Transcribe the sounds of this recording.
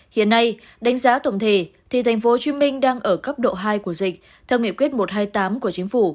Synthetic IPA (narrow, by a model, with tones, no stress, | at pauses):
hḭ˧˨ənːa˧j | ɗa˨˦jŋ̟zaː˨˦t̪ə˧˩wŋ͡mt̪ʰe˧˩t̪ʰi˨˩t̪ʰa˨˩jŋ̟fo˨˦t͡ɕwi˨˦mï˧ŋ̟ɗaː˧ŋʔəː˧˩kə˦˥p̚ɗo̰˧˨ɦaː˧jku˧˩əzï˨˩k̟̚ | t̪ʰɛ˧wŋḭ˧˨kwi˦˥ət̚mo˨˩t̚ɦaː˧jt̪aː˨˦mku˧˩ət͡ɕï˨˦ŋ̟fu˧˩